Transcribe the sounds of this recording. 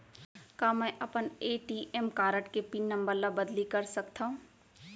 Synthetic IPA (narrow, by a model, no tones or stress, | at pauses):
kaːmɛ̃ʔɐpəneːʈiʔɛmkaːɾəʈkepinːɐ̃mbəɾlabɐd̪likɐɾsɐkt̪aɦũ